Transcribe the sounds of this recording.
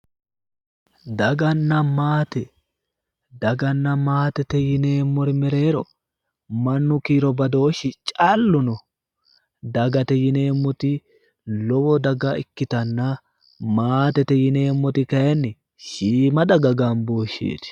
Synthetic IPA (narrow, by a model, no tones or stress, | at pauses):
d̪ɐɡɐnːɐmaːt̪ɛ | d̪ɐɡɐnːɐmaːt̪ɛt̪ɛjɪneːmːɔɾɪmɛɾe̞ːɾɔ | mɐnːʊkiːɾɔbɐd̪o̞ːʃːɪt͡ʃʼɐlːʊnɔ | d̪ɐɡɐt̪ɛjɪne̞ːmːɔt̪ɪ | lɔwɔd̪ɐɡaɪkːɪt̪ɐnːa | maːt̪ɛt̪ɛjɪne̞ːmːɔt̪ɪkɐjɛnːɪ | ʃiːmɐd̪ɐɡɐɡaːnboːʃːḭːt̪ɪ̥